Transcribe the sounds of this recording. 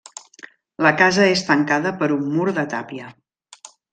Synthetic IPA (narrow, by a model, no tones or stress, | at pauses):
ləkazəest̪əŋkaðəpəɾumːuɾðət̪a̰piə